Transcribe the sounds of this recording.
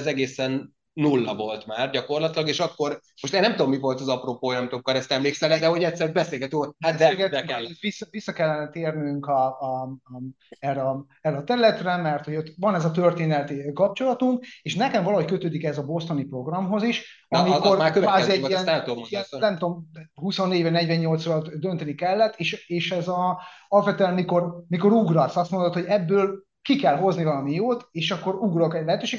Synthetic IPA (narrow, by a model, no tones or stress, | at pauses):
zɛɡeːsɛnː | ulːɒvo̞lt̪maːrɟɒkorlɒt̪ilɒɡeːʃɒkːo̞r | moʃt̪enɛmt̪uomːivo̞lt̪ɒzɒpropoːjɒmit̪okkɒɾɛst̪ɛmleːksɛlɛd̪ɛho̞ɟɛt̪sɛɾbɛseːlɡɛt̪yhaeɡɛt̪d̪ɛkɛvisːɒvisːɒkɛlːɛnɛt̪eːrnyŋkɒ | ɛrɛɒ | ɛrːɛɒt̪ɛɾylɛt̪rɛmɛrt̪ho̞ɟot̪vɒnɛzɒt̪ø̞rt̪eːnɛt̪ikɒp̚t͡ʃo̞lɒt̪uŋkeːʃnɛkɛɱvɒlɒhockøt̪øːd̪ikɛzɒbo̞st̪o̞nipro̞ɡrɒmɦo̞ziʃ | ɒmiko̞rkbaːiɛiɛniɛnnɛmt̪omhuso̞nːeːɟvɒɟnɛɟvɛɲːo̞lt̪srɒd̪ønt̪ɛnikɛlːɛt̪ːeːʃeːʃɛzɒɒfɛt̪ɛnmiko̞rmiko̞ɾuɡrɒsɒst̪mo̞nd̪ot̪ho̞ɟɛbːøːl | kikɛlɦo̞znivɒlɒmijoːt̪eːʃɒkːo̞ɾuɡrokɛɟlɛɦɛt̪øːʃeːɡ